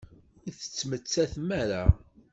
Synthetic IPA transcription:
ʊɾθə̥t͡sːmət͡sːæθmæɾa

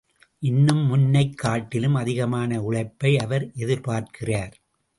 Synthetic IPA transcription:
ʔɪnːɯmːʊnːɐɪkːaːʈːɪlɯmɐðɪɣɐmaːnɐʊɭɐɪpːɐɪɐʋɐɾʔɛðɪɾpaːɾkɪraːɾ

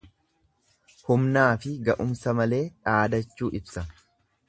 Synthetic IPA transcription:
hʊmnaːfɪɡɐʔʊmsɐmɐle̞ːᶑaːd̪ɐt͡ʃːuːʔɪbsɐ

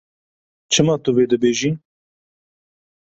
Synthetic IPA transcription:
t͡ʃʰɨmɑːt̪ʊveːd̪ɨbeːʒiː

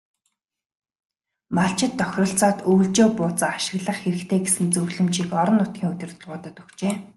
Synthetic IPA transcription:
maɬt͡ɕɪ̆t̪ːœxʲrɞ̆ɬt͡saːt̪uːɮt͡ɕoːpʊːt͡săaʃɪ̆ɣɮə̆χxeɾɘ̆kt̪ʰeːɡesɘ̆nt͡sɵɣɮɘ̆mt͡ɕiːkɔɾɞ̆nːʊt̪̚ɡʲiːŋɵt̪ʲɪ̆rt̪ʰɵ̆ɮʁʊːt̪ə̆t̪ukt͡ɕeː

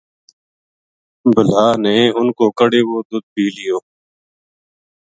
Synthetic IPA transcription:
bʱəlaːneːʊnkoːkəɽeːʋoːd̪ʊd̪̚bʱiːlɪjoː

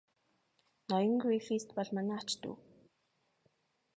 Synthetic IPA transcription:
nɔjɞ̆ŋɡɾifist̪pɔɮmanaːt͡ɕt̪ṵː

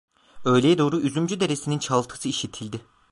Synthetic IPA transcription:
ø̞jlʲejɛd̪o̞ːɾuyzymd͡ʒyd̪eɾesinint͡ʃʰalˠt̪ʰɯ̥sɯiʃit̪ʰilʲd̪ɪ

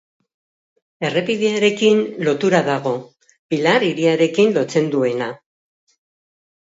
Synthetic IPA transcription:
e̞re̞piðeaɾe̞kinlo̞t̪uɾaðaɣ̞o̞ | bilaɾiɾiaɾe̞kinlo̞t͡se̞nd̪ue̞na

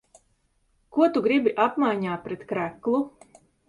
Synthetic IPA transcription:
kuɔt̪uɡɾibiʔapmajɲaːt̪̚pɾɛt̪kɾæklˠu

